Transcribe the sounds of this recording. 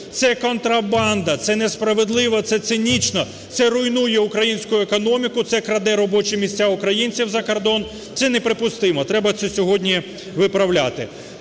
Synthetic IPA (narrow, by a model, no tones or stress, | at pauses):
t̪sɛkɔnt̪ɾɐbɑnd̪ɐt̪sɛnespɾɐʋed̪lˠɪʋɐt̪sɛt̪sɪnʲit͡ʃnɔ | t̪sɛɾʊjnujɛʊkɾɐjinʲsʲkʊjʊekɔnɔmʲikʊt̪sɛkɾɐd̪ɛɾɔbɔt͡ʃɪmʲisʲt͡sʲaʊkɾɐjinʲt͡sʲiwzɐkɔrd̪ɔn | t̪sɛnɛpɾɪpʊst̪ɪmɔt̪ɾɛbɐt̪sɛsʲɔɦɔdʲnʲi | ʋɪpɾɐwlʲat̪ɪ